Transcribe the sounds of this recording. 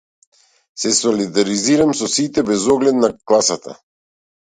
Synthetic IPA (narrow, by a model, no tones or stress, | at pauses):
sɛsɔlid̪aɾiziɾamsɔsit̪ɛbɛzɔɡlɛd̪naklˠasat̪a̰